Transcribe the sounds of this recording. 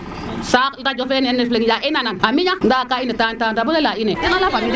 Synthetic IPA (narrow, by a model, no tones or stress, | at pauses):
sakdad͡ʒofenneflekid͡ʒaʔinananamiɲandakainetantaːdabuelaineinalabamid͡ʒ